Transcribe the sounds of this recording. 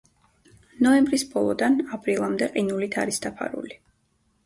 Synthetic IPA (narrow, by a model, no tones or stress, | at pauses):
nɔɛmbɾisbɔlˠɔd̪anapʰʼɾilˠamd̪ɛqʼinulit̪ʰaɾisd̪apʰa̰ɾṵli